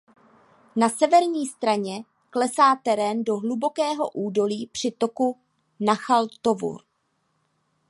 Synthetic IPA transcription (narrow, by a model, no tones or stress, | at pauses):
nasɛvɛɾɲiːst̪ɾaɲɛ | klɛsaːt̪ɛɾɛːndo̞ɦlubo̞kɛːɦo̞̰ʔuːdo̞liːpr̝̥ɪt̪o̞ku | naxalt̪o̞vṵɾ